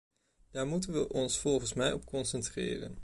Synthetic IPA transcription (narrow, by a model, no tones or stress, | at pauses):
d̥aːɹmutənʋəʔɔnsfɔlˠχənsmɛjɔp̚kɔnsɛntrɪ̰ːrə̰n